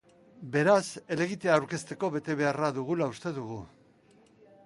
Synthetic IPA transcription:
be̞ɾase̞le̞ɣit̪e̞aːwɾke̞st̪e̞ko̞βe̞t̪e̞βe̞araðuɣ̞ulaust̪e̞ðuɣ̞u

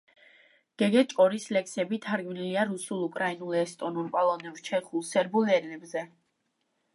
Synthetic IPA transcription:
ɡ̥ɛɡɛt͡ʃʼkʼɔɾislɛkʰsɛbit̪ʰaɾɡmniliaɾusulˠukʼɾainulˠɛst̪ʼɔnulpʼɔlˠɔnɛvt͡ʃʰɛχulˠsɛɾbulɛlɛbzɛ

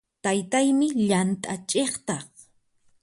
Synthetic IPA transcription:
t̪ajt̪ajmɪʎant̪ʼat͡ʃʼeχt̪ɑχ

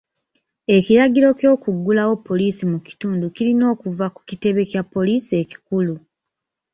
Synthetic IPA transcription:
e̞kiɾaɡiɾo̞cjo̞ːkuɡːulawo̞pːo̞liːsimuki̥tuːnducilino̞ːkuvaku̥cite̞βe̞kjapːo̞liːsie̞ci̥kulu

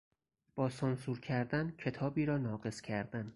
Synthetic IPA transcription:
b̥ɒːsɒnsuːɾcʰæɾd̪æncʰe̞t̪ʰɒːbiːɾɒːnɒːɢe̞scʲʰæɾd̪æn

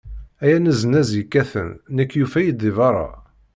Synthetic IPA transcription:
æjænəzənæzikːæθə̰nːəkːjufæjid̪ivɑɾˤɑ̰

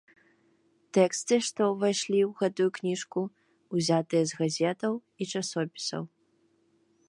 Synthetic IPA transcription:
t̪ɛkst̪ɨʂt̪ɔvajʂlʲiwɣɛt̪ujuknʲiʂku | uzʲat̪ɨjɐzɣazʲɛt̪ɐw | it͡ʂasɔpʲi̥sɐ̰w

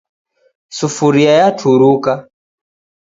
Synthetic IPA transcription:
sufuɾiajatʰuɾuka

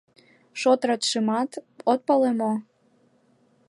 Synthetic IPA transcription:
ʃot̪rɑt̪ʃɨmɑt̪ot̪̚pɑlemo

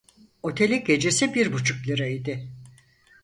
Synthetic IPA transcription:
o̞t̪ʰe̞lʲiɟe̞d͡ʒe̞sibiɾbut͡ʃʰuklʲˠɯɾaid̪ɪ

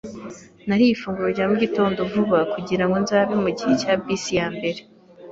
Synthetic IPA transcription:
naɾijifuːŋɡuɾoɾɟaːmuɟito̞ːndo̞vuβakuɟiɾaŋɡo̞nzaːβimuɟihe̞caːbisijaːmbe̞ɾe

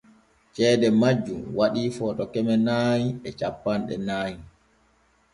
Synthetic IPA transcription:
t͡ʃɛːdɛmad͡ʒːumwaɗiːfɔːtɔkɛmɛnaːɲiɛt͡ʃapːanɗɛ̰naːji

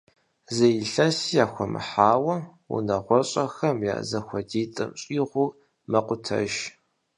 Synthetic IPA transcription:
zɐjɪɬɐsijaːxʷɔmɨ̰ħaːwɐ | ṵnɐʁʷɔɕʼɐxɐmja̰ːzɐxʷɔdiːt͡sʼɨ̰mɕʼiːʁʷʊ | mɐqʷʼʊtʰɐ̰ʒ

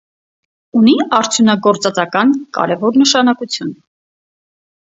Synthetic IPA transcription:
uniɑɾt͡sʰjunɑɡɔɾt͡sɑt͡sɑkɑnkɑ̰ɾɛvɔɾnəʃɑnɑkut͡sʰjun

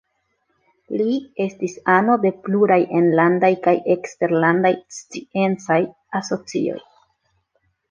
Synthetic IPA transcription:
lie̞stisano̞de̞pluɾajʔe̞nlandajkaje̞kste̞ɾlandajst͡sie̞nt͡saj | aso̞t͡sḭo̞̰j

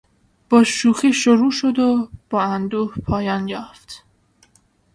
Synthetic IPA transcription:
b̥ɒːʃuːxiːʃoɾuːʃod̪ob̥ɒːænd̪uːhpʰɒːjɒːnjɒːft̪

